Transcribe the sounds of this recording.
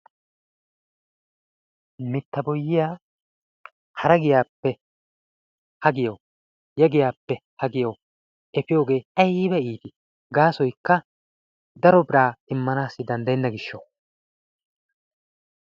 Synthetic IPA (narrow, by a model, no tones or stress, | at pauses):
mɪt̪ːɐbɔjːɪjaː | hɐɾɐɡɪjaːpːɛ | hɐɡɪjɐw | jɛɡɪjaːpːɛhɐɡɪjɐw | ɛfɪjo̞ːɡe̞ːʔɐjbɛiːt̪ɪ | ɡaːsɔjkːɐ | d̪ɐɾɔbɪɾaːɪmːɐnaːsːɪd̪ɐnd̪ɐjɛnːɐɡɪʃːɐ